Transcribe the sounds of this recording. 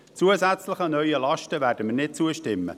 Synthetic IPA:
t͡suəzæt͡sləχənœʏəlɑʃtəvæːɾdəmənɪt̚t͡suəʃtɪmːə̰

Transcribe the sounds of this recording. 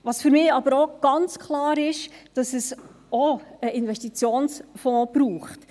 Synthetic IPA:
ʋɑsfʏɾmɪːɑbəɾoɡ̥ɑnt͡skʰlɑːɾɪʃd̥ɑsɛs | ɔəʔɪnvɛstit͡sjoːnsfɔ̃ːb̥ɾuːχt

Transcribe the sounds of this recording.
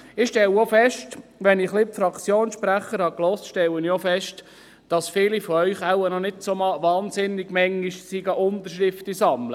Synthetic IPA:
ɪχʃtɛlofɛʃtʋɛnɪχlɪpfɾɑkt͡sjoːnʃpɾæχəɾhɑklɔstʃtɛləniofɛʃt | d̥ɑsfɪːlifɔœʏχawənɔnɪdsomɑʋɑːnsɪnːɪɡ̥mɛŋːiʃsiɡəʔʊnt̪əɾʃɾɪftisɑmlə

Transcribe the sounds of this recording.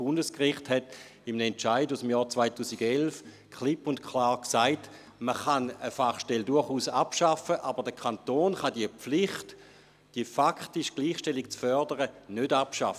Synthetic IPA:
sb̥ʊndəskʁɪχthɛt | imnɛnt͡ʃaɪdusəmjɔːt͡svaɪtuːsiɡelf | kχlɪpʊntkχlaːʁksaɪt | məχanəfaχʃtɛldʊɐχuːsapʃafəʔabəʁdəkʰantoːnχɑdiəp͡flɪχt | d̥iəfakχtiʃɡ̥liːχʃtɛlik̚t͡sfœɐdəʁənødapʃafə

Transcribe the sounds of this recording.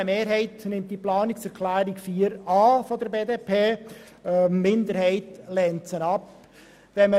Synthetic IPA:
əmeːɾɦɛɪtnɪmtd̥iəplɑːnɪksɛɾkʰlæːɾiɡfiːəɾɑːfɔd̪əɾbeːdeːpʰeː | mːɪnd̪əɾhɛɪtlɛnt͡sənɑp | ʋɛnmə

